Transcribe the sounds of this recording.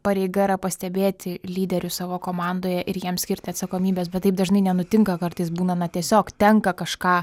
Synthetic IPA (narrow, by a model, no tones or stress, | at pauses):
pɐɾʲɛɪɡɐɪɾɐpɐsʲt̪ʲɛbʲeːt̪ʲɪlʲiːd̪ʲɛɾʲʊsɑːʋoːkoːmɑːnd̪oːjɛʔɪɾjiɛmsʲkʲɪɾʲt̪ʲɪɐt̪sɐkoːmʲiːbʲeːs̬bʲɛt̪t̪ːɐɪp̚d̪ɐʒnɐɪnʲɛnʊt̪ʲɪŋkɐkɐrt̪ɐɪsbuːnɐnɐt̪ʲiɛsʲoːkt̪ʲɛŋkɐkɐʃkɑː